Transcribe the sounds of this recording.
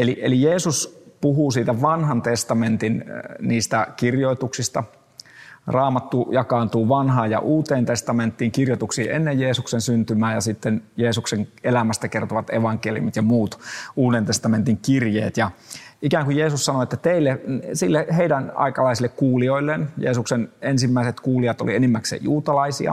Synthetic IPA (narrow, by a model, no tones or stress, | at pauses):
eliʔḛlijeːsuspuhuːsiːt̪æʋɑnhɑnt̪est̪ɑment̪inniːst̪ækirjoit̪uksist̪ɑ | rɑːmɑt̪ːujɑkɑːnt̪uːʋɑnɦɑːjjɑ̰ʔuːt̪eːnt̪est̪ɑment̪ːiːŋkirjot̪uksiːʔenːejjeːsuksensynt̪ymæːjɑsit̪ːenjeːsukseŋelæmæst̪ækert̪oʋɑt̪ḛʋɑŋkelḭṵmit̪jɑmuːt̪uːdent̪est̪ɑment̪iŋkirjḛːt̪jɑikæːŋkujeːsussɑnoet̪ːæt̪eilːesilːeheidænɑ̰ikɑlɑisilːekkuːlioilːenjḛːsuksenensimːæiset̪kuːliɑt̪o̰lienimːæksḛjuːt̪ɑlɑisḭɑ̰